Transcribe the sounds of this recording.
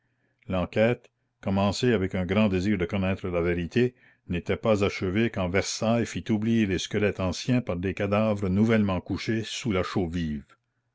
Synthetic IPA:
lɑ̃kɛːt̪ | kɔmɑ̃seavɛkœ̃ɡɾɑ̃d̪eziːʁd̪əkɔnɛːt̪ɾəlaveɾit̪ʰe | net̪ɛpazaʃəvekɑ̃vɛʁsajfit̪ublijeleskəlɛt̪ɑ̃sjɛ̃paʁd̪ekad̪avɾənuvɛlmɑ̃kuʃesulaʃoviːv

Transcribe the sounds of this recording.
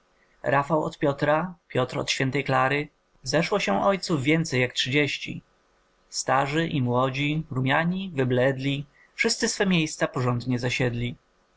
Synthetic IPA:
ɾʔafawɔ̰t̪pʲjɔt̪ɾapʲjɔt̪ɾɔ̰t̪ɕfʲjɛnt̪ɛjklaɾɘ | zɛʂwɔɕɛ̃ʔɔjt̪suvvʲjɛnt̪sɛjːaktʂɘd͡ʑeɕt͡ɕḭ | st̪aʐɘʔimwɔd͡ʑiɾumʲjaɲivɘblɛd̪lʲi | fʂɘst̪sɘsfɛmʲjejst̪sapɔʐɔnd̪ɲɛzaɕɛd̪lʲi

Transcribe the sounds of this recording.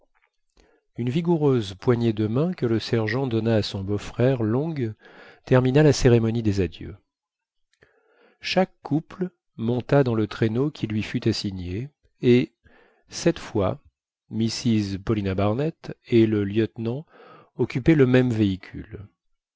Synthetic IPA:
ynviɡuʁøzpwaɲed̪əmɛ̃kələsɛʁʒɑ̃d̪ɔnaːsɔ̃bofχɛʁlɔ̃ɡt̪ɛʁminalaseʁemɔnid̪ezad̪jø̰ | ʃakːupl | mɔ̃t̪ad̪ɑ̃lət̪χenokʲʰilɥifyt̪asiɲe | e | sɛt̪fwa̰ | misizpɔlinabaʁnɛt̪eləljət̪nɑ̃ | ɔkʲypɛləmɛmveikʲʰy̰l

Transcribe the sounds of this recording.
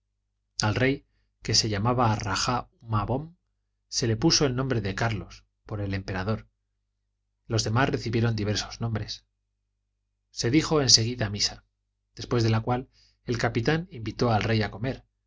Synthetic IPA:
alre̞j | ke̞se̞ʎamaβaːraxaumaβo̞m | se̞le̞puso̞elnːõmbɾe̞ðe̞kaɾlo̞s | po̞ɾe̞le̞mpe̞ɾað̞o̞ɾ | lo̞zðe̞masre̞θiβje̞ɾo̞nd̪iβ̞e̞ɾso̞znõ̞mbɾe̞s | se̞ðixo̞e̞nse̞ɣ̞iðamisa | ðe̞spwe̞zðe̞lakwal | e̞lkapit̪animbit̪o̞alre̞jako̞me̞ɾ

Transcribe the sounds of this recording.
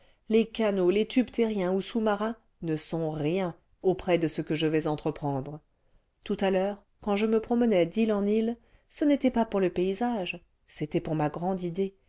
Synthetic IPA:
lekanolet̪ʰybt̪eʁjɛ̃usumaʁɛ̃ | nəsɔ̃ʁjɛ̃ | opχɛd̪əsəkəʒəvɛzɑ̃t̪χəpχɑ̃d̪ʁə | t̪ut̪alœːʁ | kɑ̃ʒəməpχɔmənɛd̪ilɑ̃nil | sənet̪ɛpapuʁləpeizaʒ | set̪ɛpuʁmaɡʁɑ̃d̪id̪e

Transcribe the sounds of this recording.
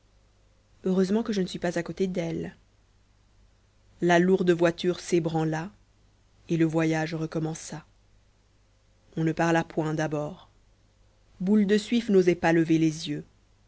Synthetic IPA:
øʁøzmɑ̃kəʒənəsɥipazakot̪ed̪ɛl | laluʁd̪əvwat̪yʁsebʁɑ̃la | eləvwajaʒʁəkɔmɑ̃sa | ɔ̃nəpaʁlapwɛ̃d̪abɔːʁ | buld̪əsɥifnozɛpaləvelezjø

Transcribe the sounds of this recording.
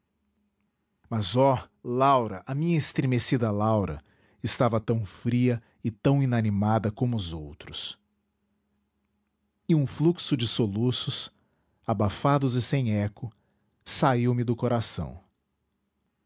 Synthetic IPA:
mɐzɔ | lawɾɐʔɐmĩɲɐɪst̪ɾemesid̪ɐlawɾɐ̰ | ɪst̪avɐt̪ɐ̃w̃fɾiɐ | ɪt̪ɐ̃w̃ĩnɐnimad̪ɐkõmʊːzowt̪ɾʊs | ɪũfluksʊd͡ʒɪsolusʊs | abafad̪ʊzɪsẽj̃ɛkʊ | saiwmɪd̪ʊkoɾasɐ̰̃w̃

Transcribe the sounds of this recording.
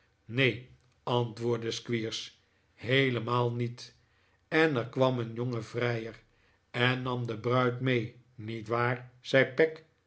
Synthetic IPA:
nej | ɑntʋʊːɹdəskʋiːɹs | ɦejləmaːlˠnit | ɛnɛɹkʋɑmənjoŋəvrɛjər | ɛnːɑmdəbrœɥtmej | nitʋaːrz̥ɛjpɛk

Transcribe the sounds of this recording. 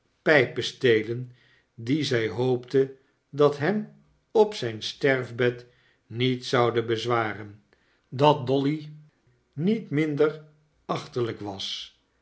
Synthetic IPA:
pɛjpəstejlən | dizɛjɦowptə | dɑtɦɛm | ɔpsɛjnstɛɹvbɛt | nitsɑwdəbəzʋaːrən | dɑt̚dɔli | nitmɪndər | ɑχtələkʋɑs

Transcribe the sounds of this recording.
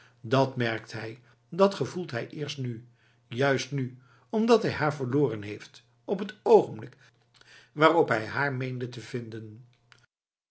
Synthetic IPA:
dɑtmɛɹktɦɛj | dɑtχəvulˠtɦɛjʔɪːɹstny | jœɥstny | ɔmdɑtɦɛjɦaːɹvəɹlʊːrənɦejft | ɔpɦətowχənblɪk | ʋaːrɔpɦɛjɦaːɹmejndətəvɪndən

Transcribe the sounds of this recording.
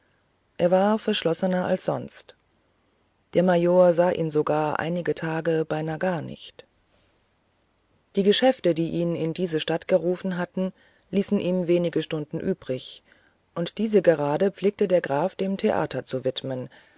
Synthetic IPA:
ʔeːɐvaːɐfɛɐʃlɔsənɐʔa̰lsz̥ɔ̰nst | d̥eːɐmajoːɐzaːʔḭːnzoɡaːɐʔa̰ɪnɪɡətʰaːɡəbaɪnaːɡaːɐnɪ̰çt | d̥iːɡəʃɛftədiːʔiːnɪndiːzəʃtatɡ̥əʁuːfn̩ɦatn̩ | liːsn̩ʔiːmveːnɪɡəʃtʊndn̩ʔyːb̥ʁɪç | ʔʊntd̥iːzəɡəʁaːdəp͡fleːk̚tədeːɐɡʁaːfd̥eːmtʰeʔa̰ːtʰɐt͡suvɪtmən

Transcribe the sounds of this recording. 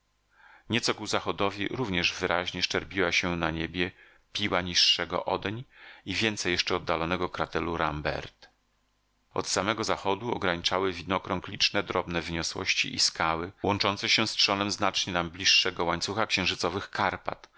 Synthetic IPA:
ɲɛt̪sɔkuzaxɔd̪ɔvʲḭɾuvɲɛʐvɘɾʔaʑɲɛʂt͡ʂɛɾpʲiwaɕɛnaɲebʲjɛ | pʲiwaɲiʂːɛɡɔ̰ʔɔd̪ɛɲivʲjɛnt̪sɛjɛʂt͡ʂɛɔd̪ːalɔnɛɡɔkɾat̪ɛluɾambɛ̰ɾt̪ | ɔ̰t̪samɛɡɔzaxɔd̪uɔ̰ɡɾaɲit͡ʂawɘvʲid̪nɔkɾɔŋklʲit͡ʂnɛd̪ɾɔbnɛvɘɲɔswɔ̰ɕt͡ɕḭʔḭskawɘwɔnt͡ʂɔntsɛɕɛ̃stʂɔnɛmznat͡ʂɲɛnamblʲiʂːɛɡɔwaɲt̪suxakɕɛ̃w̃ʐɘt̪sɔvɘxkaɾpa̰t̪

